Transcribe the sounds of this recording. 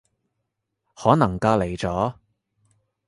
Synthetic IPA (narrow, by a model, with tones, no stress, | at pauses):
hɔː˨˥nɐ˨˩ŋkaː˧le˨˩jt͡sɔː˨˥